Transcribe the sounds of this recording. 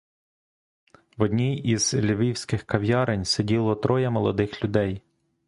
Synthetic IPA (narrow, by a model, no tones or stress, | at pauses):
ʋɔdʲnʲijiz̥lʲiʋʲiwsʲkɪxkɐʋʲjɑɾenʲsedʲilˠɔt̪ɾʔɔjɐmɔlˠɔd̪ɪxlʲʊd̪ɛj